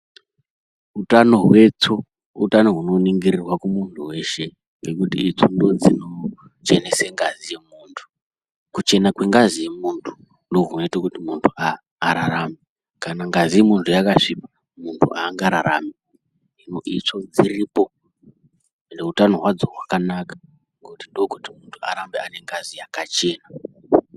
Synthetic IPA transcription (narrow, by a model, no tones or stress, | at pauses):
utanoɦwe̞t͡so | ṵtano̞ɦuno̞niŋɡirirwakumuntʰuwe̞ʃe̞ | ŋɡe̞kutḭit͡sondo̞d͡zino̞ | t͡ʃe̞neseŋɡazije̞muːntʰu̥ | kut͡ʃe̞nakweŋɡazijemuntʰu̥ | ndo̞ɦunoitokutimuntʰuaː | ɾaɾame | kanaŋɡazijemuntʰujakaʂipa | muntʰṵʔaːŋɡaɾaɾa̰mi | inoʔit͡ʂo̞d͡ziripo̞ | nde̞ɦutanoɦwad͡zoɦwakanakḁ | ŋɡekutindokutimuntʰu̥a̰ɾambeane̞ŋɡazijakat͡ʃe̞ːna